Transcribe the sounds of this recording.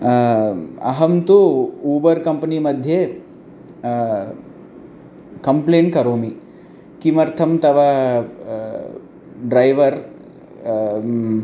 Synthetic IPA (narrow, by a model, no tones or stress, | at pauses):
ɐ̰ɦɐmt̪uuːbɐɾkɐmpɐnimɐd̪ʱje | kɐmpleːɳkɐɾoːmi | kimɐɾt̪ʰɐmt̪ɐʋɐ | ɖɾɐjʋɐɾ